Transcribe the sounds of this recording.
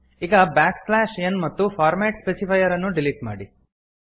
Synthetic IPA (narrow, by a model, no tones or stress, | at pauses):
iːɡɐbaːkslaːʃɐnmɐt̪ːupʰaːɾmeːʈspeːsipʰɐjɐɾɐnːuɖiliʈma̰ːɽi